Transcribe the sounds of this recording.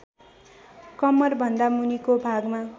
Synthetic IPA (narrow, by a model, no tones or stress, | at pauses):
kʌmʌrbʱʌnd̪amunikobʱaɡma